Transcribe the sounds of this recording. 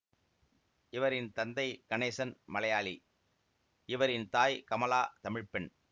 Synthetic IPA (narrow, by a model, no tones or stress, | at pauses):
ʔɪʋɐɾɪnt̪ɐnd̪ɐɪkɐneːsɐnmɐlɐjaːli | ɪʋɐɾɪnt̪aːjkɐmɐlaːt̪ɐmɪɻpɪn